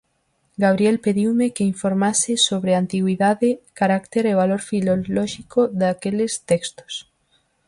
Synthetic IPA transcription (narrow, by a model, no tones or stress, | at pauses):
ɡaβ̞ɾielpeðiwmekeiɱfoɾmasɪsoβɾeant̪iɣwiðaðekaɾakt̪eɾeβaloɾfilolɔʃikoðakelest̪ekst̪o̥s